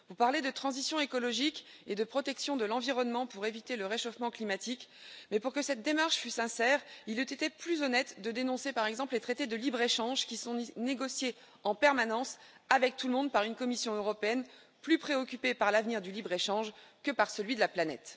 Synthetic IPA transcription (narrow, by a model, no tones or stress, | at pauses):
vupaʁled̪ət̪χɑ̃zisjɔ̃ekɔlɔʒik | ed̪əpχɔt̪ɛksjɔ̃d̪əlɑ̃viʁɔnmɑ̃puʁevit̪eləʁeʃɔfmɑ̃klimat̪ikmɛpuʁkəsɛt̪̚d̪emaʁʃfysɛ̃sɛʁilyt̪et̪eplyzɔnɛt̪d̪əd̪enɔ̃sepaʁɛɡzɑ̃plet̪χet̪ed̪əlibʁeʃɑ̃ʒkʲisɔ̃neɡɔsje | ɑ̃pɛʁmanɑ̃s | avɛk̚t̪ulmɔ̃d̪̚paʁynkɔmisjɔ̃øʁɔpeɛn | plypχeɔkʲypepaʁlavniʁd̪ylibʁeʃɑ̃ʒkəpaʁsəlɥid̪əlaplanɛt̪